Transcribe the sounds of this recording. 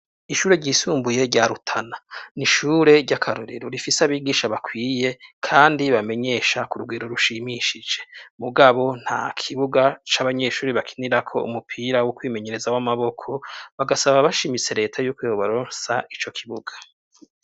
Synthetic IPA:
iʃuːɾe̞ɟiːsuːmbuje̞ɾɟaɾutʰananiʃuːɾe̞ɾɟakʰaɾoɾiɾoɾifiseaβiːɡiːʃaβakwiːje̞kʰaːndiβame̞ɲe̞ʃakuɾuɡwiːɾoɾuʃimiʃid͡ʒe̞̥muɡaβo̞n̥ha̰kʰiβuɡat͡ʃaβaɲe̞ʃuːɾiβakʰiniɾakʰo̞ʔṵmupʰiɾawokwiːme̞ɲe̞ɾe̞zawamaβo̞kʰo̞βaɡasaβaβaʃimit͡se̞ɾe̞ːtʰajuːkweːβoβaɾoːnsait͡ʃo̞kʰiβuɡḁ

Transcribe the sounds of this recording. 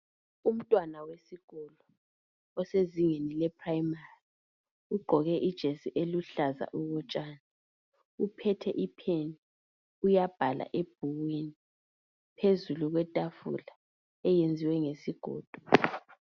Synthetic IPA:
um̩tʼwanawesiɣ̥ɔlɔ | ɔseziŋenilɛpʰrajimari | uɡ͡ǃʱɔɣɛʔid̥ʒ̥ʱesiʔeluɬaza̰ʔuɣɔt͡ʃʼaːna | upʰɛtʰɛʔipʰeni | ujab̥ʱala̰ʔeb̥ʱuɣweni | pʰezuluɣwɛtʼafṵla | ɛjend͡zʱiwɛŋesiɡ̥ʱɔ̰ːd̥ʱɔ̥

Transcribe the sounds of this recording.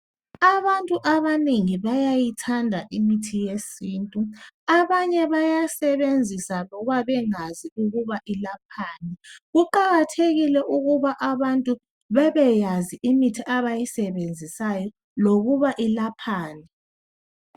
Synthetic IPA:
aβantʼuʔaβaniŋiβajajitʰandʱaʔimitʰijesiːntʼuaβaɲɛβajasɛβend͡zʱisalɔβaβɛŋaziuɣuβaʔilap̚ʰaːnɛɣuǃaɣatʰeɣilɛʔuɣuβaʔaβantʼu | βɛβɛjaziʔimitʰiʔaβajisɛβend͡zʱisajɔ | loɣuβaʔilapʰaːnɛ

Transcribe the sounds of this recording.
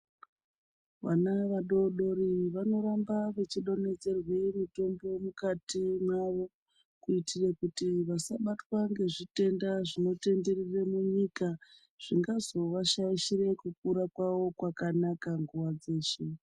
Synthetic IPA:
ʋanaʋaɗo̞ɗo̞ɾiʋano̞ɾambaʋet͡ʃiɗo̞ne̞d͡ze̞rwemito̞mbo̞mukatimwaʋo̞ | kuitirekutiʋasaɓatwaŋɡe̞ʐite̞ndaʐino̞te̞nderiremuɲika | ʐ̥iŋɡazo̞ʋaʃaiʃire̞kuk̚uɾakwawo̞kwakanakaŋɡuʋad͡ze̞ːʃe

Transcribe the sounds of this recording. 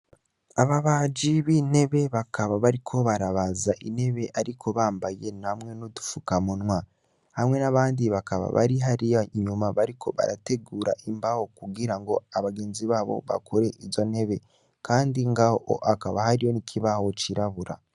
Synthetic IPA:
aβaβaːd͡ʒiβine̞βe̞βakaβaβaɾikʰoβaɾaβazaʔine̞βe̞ʔaɾikʰo̞βaːmbaje̞namŋe̞nodu̥fukamunwa | hamŋe̞naβaːndiβakaβa̰βa̰ɾiɦaɾiaɲumaβaɾikʰo̞βa̰ɾate̞ɡuːɾa̰ʔimbahokuɡiɾaŋɡo̞aβaɡe̞ːnziβaːβo̞̰βa̰kʰoɾe̞ʔiɟone̞βe̞ | kaːndiŋɡahoo̰ʔakaβahaɾijo̞nikʰiβaho̞t͡ʃiɾaβuɾa̰

